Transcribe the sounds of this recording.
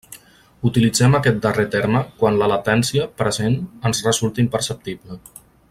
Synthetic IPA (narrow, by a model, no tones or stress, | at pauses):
ut̪ilid͡zɛməkɛt̪̚d̪əret̪ɛɾməkwanləlat̪ɛnsiəpɾəzenənzrəzulˠt̪əimpəɾsəp̚t̪iblə